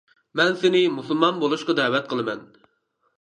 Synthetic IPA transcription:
mɛnsɪnɪmusulˠmɑnbolˠuʃqɑd̪ɛːwɛt̪̚qʰəlˠɨmɛn

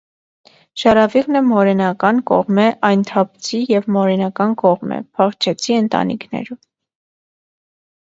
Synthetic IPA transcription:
ʃɑɾɑviʁnəmɔɾɛnɑkɑnkɔ̰ʁmɛʔɑjnt̪ʰɑpʰt͡sʰijɛvmɔɾɛnɑkɑnkɔʁmɛ̰pʰɑχt͡ʃʰɛt͡sʰiənt̪ɑ̰nḭkʰnɛ̰ɾum

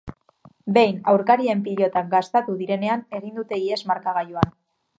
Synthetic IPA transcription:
be̞jnawɾkaɾie̞mpiʎo̞t̪aɡast̪at̪uðiɾe̞ne̞ane̞ɣ̞ind̪ut̪e̞iezmaɾkaɣ̞ajuan

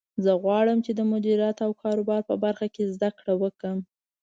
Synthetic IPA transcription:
zəɣwɑɽəmt͡ʃed̪əmʊd̪iɾjat̪awkʰɑɾobɑɾpə̰baɾxakezd̪akɽawəkəm

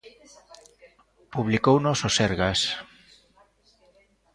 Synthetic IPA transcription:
puβ̞likownososeɾɣas

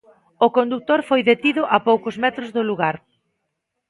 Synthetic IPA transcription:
ʊkond̪uk̚t̪oɾfojðet̪iðʊʔapowkʊzmɛt̪ɾʊzðʊluɣaɾ

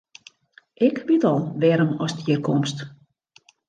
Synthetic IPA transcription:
ʔɪkʋitɔlˠʋɛɾənɔstiərkʰɔmst

